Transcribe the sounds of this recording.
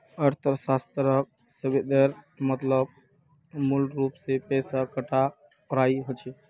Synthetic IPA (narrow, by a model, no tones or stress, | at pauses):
əɾt̪ʰəɾsast̪ɾək̚ | səbed̪əɾ | mət̪ləb | mulɾupsepɛsakəʈʰa | pɾaiɦot͡ʃʰɛ